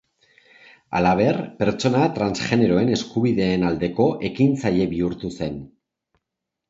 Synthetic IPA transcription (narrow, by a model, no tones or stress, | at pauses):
a̰laβ̞e̞rpe̞ɾt͡ʃo̞nat̪ɾansʝe̞neɾo̞e̞ne̞skuβiðe̞ːnald̪e̞ko̞ʔe̞kint͡saje̞βiuɾt̪use̞n